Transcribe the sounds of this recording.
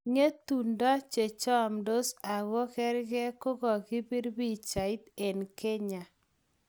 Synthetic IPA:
ŋe˦tu˨ndɔ˦t͡ʃe˨t͡ʃɔ˦mdo˦sa˨ɣɔ˦kɛ˦ɾɣɛ˦ko˦ɣɔ˨ki˦bi˦ɾbi˦t͡ʃa˨i˦t̪e˨nke˦ɲa˨

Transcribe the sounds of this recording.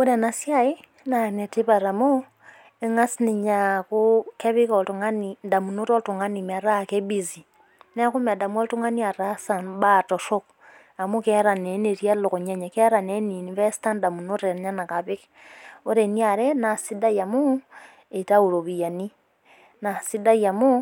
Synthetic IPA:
u˦ɾe˨na˨sjai˦ | na˨ne˨ti˦βa˨ɾa˨mu˦ | e˦ŋa˦sini˨ɲaku˦ke˦βi˦ko˨tu˨ŋa˦ninda˨mu˨nu˦ɾo˦tu˨ŋa˦ni˨ma˨ɾa˦keβi˨zi | ne˦ku˦ma˨da˨mu˦o˦ltu˦ŋa˦ni˦a˨ɾasa˨nbato˨so˦k | a˨mu˦keɾa˨ne˨˦ni˨ɾja˦lo˨ko˨ɲe˦ɲa˨ke˦ɾa˨ne˦ni˨ni˨βe˦sta˦nda˨mu˨nu˦ɾe˨ɲa˦na˨ka˨βi˦ke | o˦ɾe˨ni˦a˨ɾe˦na˨si˦da˦ja˨mu | e˨ta˦u˨ɾo˨βija˨ni˦ | na˨si˦da˦ja˨mu˦

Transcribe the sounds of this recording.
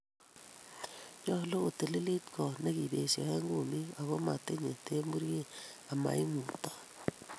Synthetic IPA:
jɔ˦lo˦ko˨te˨li˦li˦tkʰɔ˨ne˦ki˨be˨sḛ˨he˦ŋɡu˨mi˦a˨ɣo˦ma̰˨te˦ɲe˨te˦mbu˦ɾje˦a˨ma̰˨i˦ŋu˨tḁ˦

